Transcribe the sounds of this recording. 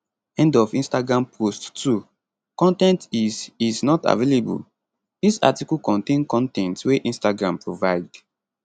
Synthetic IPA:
ɛ̃ndɔvĩnstaɡɹãmpʰosttʰːu | kɔ̃ntɛ̃ntiziznɔta̰velebṵl | disa̰tikulkɔ̃ntẽnkɔ̃ntɛ̃ntweʔĩnstaɡɹãmpɹovaɪd

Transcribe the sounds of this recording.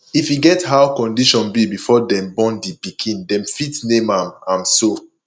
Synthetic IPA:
ifjiɡɛthawkɔ̃ndiʃɔ̃nbibifɔdɛ̃mbɔ̃ndipikʰĩndɛ̃mfitnẽmãmãmso

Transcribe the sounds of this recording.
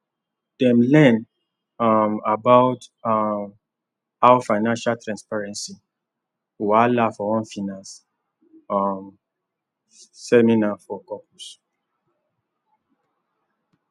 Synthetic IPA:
d̥ɛ̃mlɛ̃n | amabaʊtam | awfaɪnãnʃaltɹãnspaɹɛ̃nsi | walafɔɔ̃nfinas | am | ɛminafɔkɔpus

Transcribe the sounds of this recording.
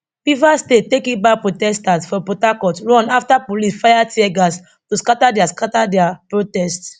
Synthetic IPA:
pivastet̚tekĩbapɹotɛstasfɔpɹotakɔtɹɔ̃naftapolisfajatiɛɡas | tuskatadɛaskatadɛapɹotɛst

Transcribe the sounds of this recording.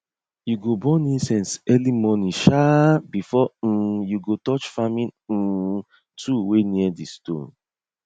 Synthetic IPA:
juɡobɔ̃nĩnsɛ̃nsɛlimɔnĩʃabifɔjuɡotɔt͡ʃfamĩn̩ | tʰuweniɛdistõ̰n

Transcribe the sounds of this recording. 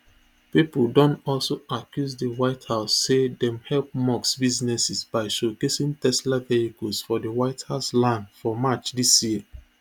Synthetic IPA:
pipoldɔ̃ntɔlsoakjuzdəwaɪthaʊsːedɛ̃mhɛlp̚mɔksbiznɛsisbaɪʃokesĩŋtɛslavehikɔlsfɔdəwaɪthaʊslãndfɔmat͡ʃdisjiə

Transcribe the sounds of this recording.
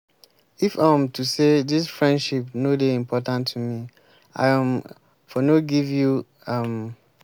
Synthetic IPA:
ifãmtusedisfɹɛ̃ndʃipnodeĩmpʰɔtãntʰːumi | a̰ɪãm | fɔnoɡivju | ʌ̃m

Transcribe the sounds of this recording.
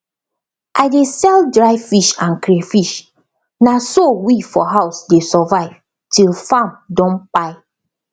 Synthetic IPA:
ʔaɪdesɛldɹaɪfiʃãnkɾefiʃ | nasowifɔɦaʊsdesɔvaɪv̥ | tilfãmdɔ̃npaɪ

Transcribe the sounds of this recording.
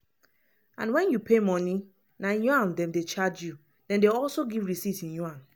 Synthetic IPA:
ãnwɛ̃njupʰemɔ̃ni | najuãndɛ̃mdet͡ʃad͡ʒju | dɛ̃ndeɔlsoɡivɹisitĩnjuãn

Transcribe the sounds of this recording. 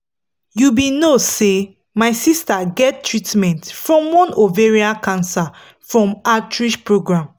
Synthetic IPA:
jubinose | maɪsistaɡɛttʰːɹitmɛ̃ntfɹɔ̃mwɔ̃noveɹiakãnsa | fɹɔ̃matɹiʃpɹoɡɹãm

